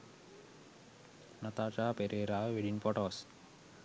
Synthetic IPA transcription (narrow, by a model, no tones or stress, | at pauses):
nɐt̪aːt͡ʃaːpeɾeːɾaːʋiɖinpɔʈoːs